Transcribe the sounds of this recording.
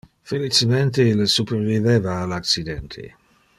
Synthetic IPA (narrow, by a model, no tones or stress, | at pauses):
felit͡ʃement̪elsuperviveːvaːlakt͡sid̪ɛnt̪ʰḛ